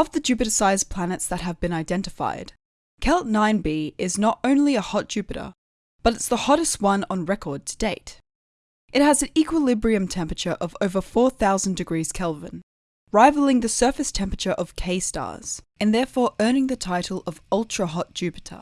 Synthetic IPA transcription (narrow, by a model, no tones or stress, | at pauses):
ʌvðɨd͡ʒʉpɨɾɨsaɪz̥pʰl̥ænɨtsðɨt̚ɦɨvbɨ̃naɪdɛ̃ntɨfa̰ɪd̥ | kʰɛlˠtnãɪ̃nbiɪznəɾõʊ̃nliəhɑt̚d̥ʒ̥ʉpɨɾə̰˞ | b̥ʌɾɨtsðəhɑɾɨst̚wʌ̃nə̃nɹɛkʰɔ˞d̚tʰə̥d̥eɪt | ʔɨt̚hɨzɨ̃n̩ikwəlɪbɹiɨ̃mtʰɛ̃mpɹət͡ʃə˞ʔʌvoʊvə˞fɔɹθaʊzn̩dɨɡɹiz̥kʰɛlˠvɨ̃n | ɹaɪvl̩ˠɪ̃ŋðɨsɜ˞fɨstʰɛ̃mpɹət͡ʃə˞ʔʌv̥kʰeɪstɑ̰ɹz̥ | ɨ̃nðɛɹfɔɹʔɜ˞nɪ̃ŋðɨtʰaɪɾl̩ˠʌvʌlˠtʰɹ̥əɦɑt̚d̥ʒ̥ʉpɨ̥ɾə̰